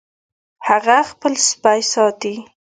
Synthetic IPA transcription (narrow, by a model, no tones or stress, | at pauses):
haɣaxpəlspajsɑt̪i